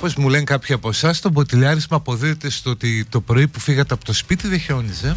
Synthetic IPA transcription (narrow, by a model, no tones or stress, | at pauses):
pozmuleŋkɐpçiɐpo̞sɐst̪o̞bot̪ilɐɾizmɐːpo̞ðiet̪est̪oot̪it̪o̞pɾo̞ipufiɣɐt̪eɐpo̞t̪ospit̪iðeço̞nize̞